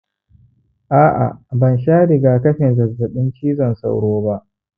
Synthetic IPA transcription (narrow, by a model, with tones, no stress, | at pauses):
ʔaː˦ʔa̰˨bɐ˨nʃaː˦ɽɪ˨ɡaː˨kɐ˦ɸɪ˨nzɐ˨rzɐ˨ɗɪ˦nt͡ʃiː˦zɐ˨nsa̰˨wɽoː˦ba˦ʔ